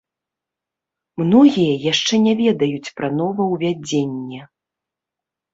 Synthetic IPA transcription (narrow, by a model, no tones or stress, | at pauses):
mnɔɣʲijɐjaʂt͡ʂɛnʲɛvʲɛd̪ɐjut͡sʲpɾɐnɔvɐwvʲad͡zʲenʲːɛ